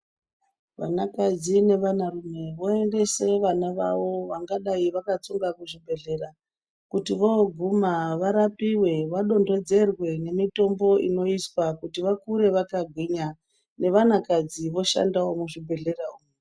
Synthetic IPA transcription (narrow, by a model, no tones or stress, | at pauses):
ʋa̰nakad͡zine̞ʋanarumwe̞ʋoe̞nde̞se̞ʋanaʋa̰ʋo̞ʋaŋɡaɗaiʋakat͡suŋɡakuʐibʱe̞ɮe̞ɾa | kutiʋoɡʱumaʋaɾapiwe̞ʋaɗo̞ndo̞d͡ze̞rwe̞ne̞mito̞mbo̞ʔino̞iswakutiʋakuɾe̞ʋakaɡʱwiɲa | ne̞ʋanakad͡ziʋo̞ʃa̰ndawomuʐibʱe̞ɮe̞raum